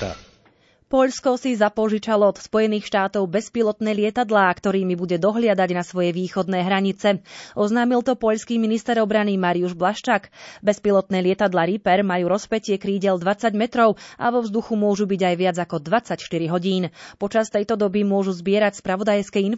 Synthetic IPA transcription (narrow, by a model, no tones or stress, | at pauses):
pɔʎskɔsizapɔʒit͡ʃalɔɔd̪spɔjɛniːxʃt̪aːt̪ɔʊbɛspilˠɔt̪nɛːlɪɛt̪ad̪laːkt̪ɔɾiːmibuɟɛd̪ɔɦlɪad̪aɟnasʋɔjɛʋiːxɔd̪nɛːɦɾaɲit͡sɛʔɔznaːmilt̪ɔpɔʎskiːminist̪ɛɾɔbɾanimaɾiuʒblaʃt͡ʃakbɛspilɔt̪nɛːlɪɛt̪ad̪laɾipɛɾmajuːɾɔspɛcɪɛkɾiːɟɛld̪ʋat͡saɟmɛt̪ɾɔʊʔa̰ʋɔvzd̪uxumʊɔʒubiɟajʋɪad͡zakɔd̪ʋat͡sacʃt̪iɾiɦɔɟiːnpɔt͡ʃast̪ɛjt̪ɔd̪ɔbimʊɔʒuzbɪɛɾacspɾaʋɔd̪ajskɛin